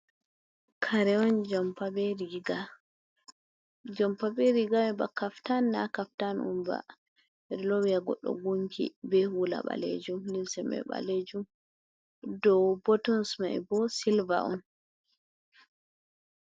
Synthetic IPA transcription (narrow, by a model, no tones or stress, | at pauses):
kʰaɾɛɔnd͡ʒɔmpabɛɾɡa | d͡ʒɔmpabɛɾiɡamɛbakaftanːakaftanṵmba̰ | ɛdɛlɔwijaɡɔɗːɔ̰ɡuŋkʰḭbɛhula̰ɓa̰lḛd͡ʒumlilsɛmɛ̰ɓa̰led͡ʒum | dɔbɔtɔnsmaɛ̰bɔsilva̰ʔɔn